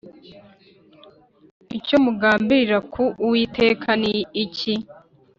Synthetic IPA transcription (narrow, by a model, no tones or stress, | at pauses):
icomuɡaːmbiɾakʰuʔuwiːtʰe̞ːkʰaniːci